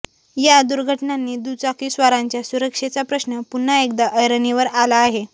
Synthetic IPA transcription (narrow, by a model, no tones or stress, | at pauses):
jad̪uɾɡʱəʈnanːiːd̪ut͡sakiːsʋaɾaɲt͡ɕjasuɾəkʂet͡sapɾəsnəpun̤ːaek̚d̪aʔəjɾəniʋəɾalaːɦe